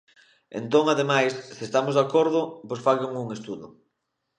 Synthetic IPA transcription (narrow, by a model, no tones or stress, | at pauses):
ḛnt̪oŋaðemajsːest̪amozðakoɾðʊposfaʎoŋuŋest̪uðʊ̰